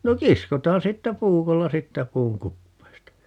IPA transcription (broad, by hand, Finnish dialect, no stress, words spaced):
no kiskotɑːn siːtːæ puːkolːɑ siːtːæ puːŋ kupːeːstɑ